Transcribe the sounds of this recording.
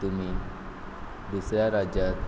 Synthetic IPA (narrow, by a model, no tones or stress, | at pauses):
t̪um̤iː | d̪usɾjaɾad͡ʑa